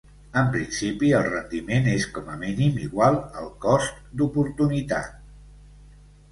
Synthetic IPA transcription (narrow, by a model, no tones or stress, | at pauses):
əmpɾinsipiəlˠrənd̪imeneskɔməminimḭɣwalˠəlˠkɔst̪d̪upuɾt̪unit̪a̰t̪̚